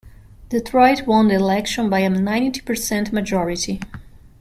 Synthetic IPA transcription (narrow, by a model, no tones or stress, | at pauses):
ðəθʰɹajtʰwɔ̃ndilɛkʃɔ̃nbajənãj̃nti̥pə˞sɛ̃ntmad͡ʒɔɹɪti